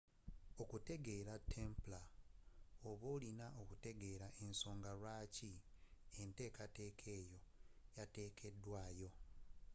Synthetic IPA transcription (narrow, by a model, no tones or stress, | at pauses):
o̞kute̞ɡe̞ɾatʰːempla | oβo̞ːlinaʔokute̞ɡe̞ːɾaʔenso̞ːŋɡalwaːciente̞ːkate̞ːkʰe̞ːjo̞jate̞ːkʰe̞dːwaːjo̞